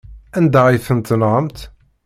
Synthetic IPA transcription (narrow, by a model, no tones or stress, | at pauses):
ænd̪æʁifənt̪nʁəmt̪